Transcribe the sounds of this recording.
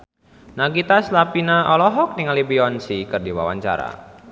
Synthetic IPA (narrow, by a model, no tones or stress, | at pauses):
naɡit̪aslapinaɔlɔɦɔk̚niŋalibiɔnsikɨrdiwa̰wa̰ɲt͡ʃa̰ɾa̰